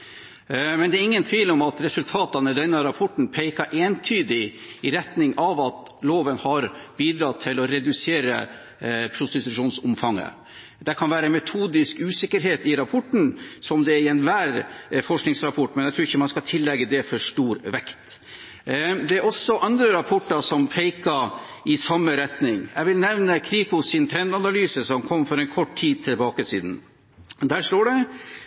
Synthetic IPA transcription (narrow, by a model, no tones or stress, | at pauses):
mɛnd̪ɛːɾɪŋːənt̪ʰʋiːlɔmɑt̪ɾɛsʉlt̪ʰɑːt̪ɑnəd̪ɛnːəɾɑpʰɔʈːɳ̩pʰɛɪkɑɾʔeːnt̪ʰyːd̪ɪɪɾɛt̪nɪŋɑʋɑt̪ | loːʋənhɑɾbiːd̪ɾɑt̪ʰːɪlɔɾɛd̪ʉseːɾə̰ | pʰɾʊst̪ɪt̪ʉʂuːnsʊmfɑŋːə̰ | d̪ɛkʰɑnʋæːɾəmɛt̪ʰuːd̪ɪskʉːsɪkːəɾɦeːt̪ɪɾɑpʰɔʈːn̩sɔmd̪ɛɛɾɪɛnʋæːɾfɔʂknɪŋsɾɑpʰɔʈːmɛnjæɪt̪ɾʉːɾɪçːəmɑnskɑlt̪ʰɪlːɛɡːəd̪ɛfɔʂʈuːɾʋɛkt̪ | d̪ɛæɾʔɔsːɔʔɑnd̪ɾəɾɑpʰɔʈːɑʂɔmfɛɪkɑ | ɪsɑmːəɾɛt̪nɪŋjæʋɪlnɛʋnəkʰɾiːkʊsɪnt̪ʰɾɛnd̪ɑnɑlyːsəsɔmkʰɔmːfɔɾɛnkʰɔʈt̪ʰiːd̪̚t̪ʰɪlbɑːkəsḭːd̪n̩ | d̪æʂʈoːɖɛ